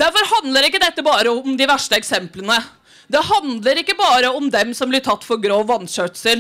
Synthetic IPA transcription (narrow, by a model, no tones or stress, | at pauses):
d̪æɾfɔɾhɑnd̪ləɾɪkːəd̪ɛt̪ːəbɑːɾəɔmd̪ɪʋæʂʈəɛksɛmplənə | d̪ɛhɑnd̪ləɾɪkːəbɑːɾəɔmd̪ɛmsɔmblɪʈʰɑt̪ːfɔɾɡɾoːʋːɑnːɕœʈsəl